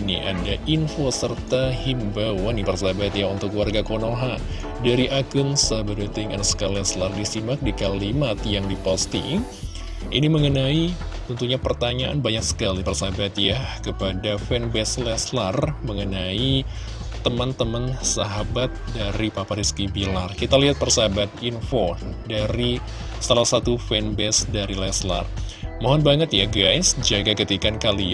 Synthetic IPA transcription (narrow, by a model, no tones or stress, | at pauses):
nḭʔa̰daʔinfosərt̪ahimbawanipərsabat̪jaunt̪ʊkwarɡakonoɦa | daɾiʔakʊnsaɦabat̪̚ɛt̪ɪŋɛnsə̥kalɛslardisimak̚dikalimat̪jaŋdipost̪iŋ | ʔiniməŋənait̪ənt̪uɲapərt̪aɲaʔa̰nbaɲak̚sə̥kalipərsabat̪jakəpadafɛnbɛslɛslarməŋənai | t̪əmənt̪əmansaɦabat̪̚daɾipapaɾiskibilarkit̪aliɦat̪̚pərsaɦabat̪̚infodaɾi | salahsat̪ufɛnbɛsdaɾilɛsla̰rmoɦɔnbaŋət̪jaɡajsd͡ʒaɡakət̪ikankali